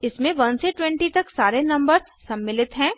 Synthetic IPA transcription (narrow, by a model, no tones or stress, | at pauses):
ɪsmẽʋɐɦnseʈwɛ̃ɳʈit̪ɐksaːɾenɐ̃mbəɾ | sɐmːɪlɪt̪ɦɛ̃ː